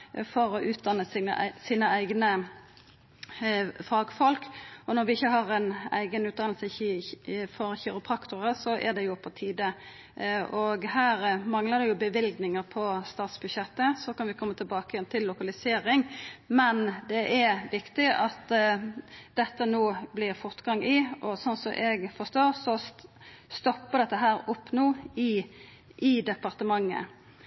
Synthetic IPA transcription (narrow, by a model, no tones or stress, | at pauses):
fɔɾɔʔʉːt̪̚d̪ɑnːəsə̰siːnəæɪɡnə | fɑːɡfɔlkɔnɔɾʋɪɪçːəɦɑʁɛnæ̰ɪɡənʉːt̪̚d̪ɑnlsə | fɔɾçiːɾəp̪ʰʁɑkt̪ʊʁəsɔʔæ̰d̪ɛjʊpʰɔt̪ʰiːd̪ə | ʔɔɡhæːɾmɑŋləd̪ɛjʊbəʋɪlɡnɪŋəɾpʰɔst̪ɑːt̪sbʉdɕɛt̪ːəsɔkɑnʋɪkʰɔmːət̪ʰɪlbɑːkəjɛnt̪ʰɪlːʊkɑlɪseːɾɪŋmɛnd̪ɛʔæɾʋɪkt̪ɪʔɑt̪ː | d̪ɛt̪ːənoːblɪʁfɔʁt̪ɡɑŋʔɪʔɔsɔnsɔʔɛɡfɔst̪oːɾsɔ | st̪ɔpːəd̪ɛt̪ːəɦæːɾɔpːnuːɪ | ʔɪd̪ɛpɑʁt̪əmɑŋːə̰